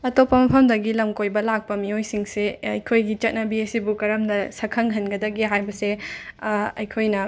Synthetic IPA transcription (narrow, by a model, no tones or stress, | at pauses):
ɐtopːɐmɐpʰɐmdɐɡilɐmkojbɐlak̚pɐmiojsiŋseɐjkʰojɡit͡ʃɐt̚nɐbiesibukɐɾɐmdɐsɐkʰɐŋɦɐnɡɐdɐɡiɦajbɐse | ɐjkʰojnɐ